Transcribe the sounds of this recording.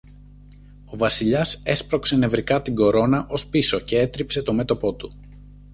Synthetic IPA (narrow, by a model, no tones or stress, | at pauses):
o̞vɐsiʎɐse̞spɾo̞kse̞ne̞vɾikɐt̪iɡo̞ɾo̞nɐʔo̞spiso̞ce̞e̞t̪ɾipse̞t̪o̞me̞t̪o̞po̞t̪u